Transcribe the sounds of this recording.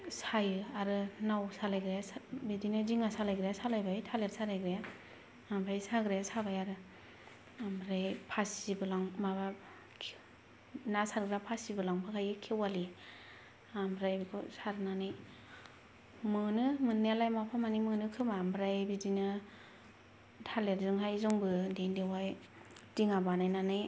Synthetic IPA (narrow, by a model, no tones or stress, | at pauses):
sajɯaɾɯnawsalajɡɾejasbidinɯziŋasalajɡɾejasalajbajtʰaletsaɾajɡɾajaː | mbɾajsaɡɾajasabajaɾɯ | ambɾajpʰasibɯlaŋmaba | nasaɾɡɾapʰasibɯlaŋpʰakʰajɯkʰewali | ambɾajbikʰɔsaɾnanɯj | mɯnɯmɯnːelajmapʰamanimɯnɯkʰɯmambɾajbidinɯ | tʰaleɾzɯŋɦajzɔŋbɯdendewaj | diŋabanajnanɯj